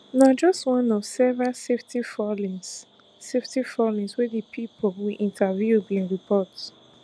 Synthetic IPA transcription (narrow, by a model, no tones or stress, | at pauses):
nad͡ʒɔstwɔ̃nɔv̥sɛvɹalseftifɔlĩŋs | seftifɔlĩŋswɛðipʰipʰolwilʔĩntʰavjubĩnɹipʰɔt